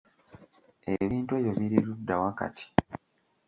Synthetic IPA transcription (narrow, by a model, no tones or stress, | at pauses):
eβiːntuweːjo̞βiɾiɾudːawaka̰tʰi̥